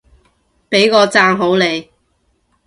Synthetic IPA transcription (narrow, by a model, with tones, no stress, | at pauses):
pe˨˥jkɔː˧t͡saː˧˥ŋɦo˨˥wle˨˧j